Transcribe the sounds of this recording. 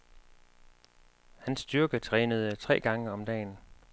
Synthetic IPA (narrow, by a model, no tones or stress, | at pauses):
hænsːd̥yɐɡ̥ət͡sʰʁɛːnəð̞ˠət͡sʰʁɛ̰ːɡ̥ɑ̈ŋəɒ̽md̥ɛ̰ːn